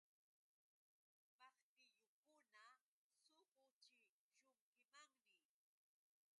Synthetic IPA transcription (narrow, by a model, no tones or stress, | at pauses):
pɑχt̪ɪjʊkʊna | soqʊt͡ʃɪ | ʃʊŋkɪmaŋnɪ